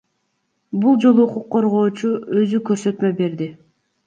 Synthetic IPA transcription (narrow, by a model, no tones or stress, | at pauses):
bulˠd͡ʒo̞lˠuːquqʰːo̞ɾʁo̞ːt͡ʃuø̞zykø̞ɾsø̞t̪mø̞be̞ɾd̪i